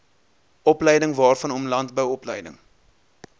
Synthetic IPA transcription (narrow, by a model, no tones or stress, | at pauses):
ɔplɛjdəŋvɑːrfɐnɔmlɐntbəwɔpləjdə̰ŋ